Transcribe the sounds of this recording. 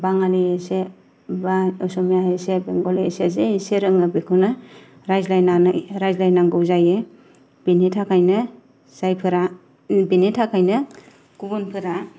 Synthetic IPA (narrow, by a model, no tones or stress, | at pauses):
baŋaliese | baɯsɔmjaesebeŋɡɔlisezeiseɾɯŋɯbikʰɯnɯ | ɾajzlajnanɾajzlajnaŋɡɯwzaje | b̥initʰakʰajnɯ | z̥ajpʰɯɾa | benitʰakʰajnɯ | kubunpʰɯɾa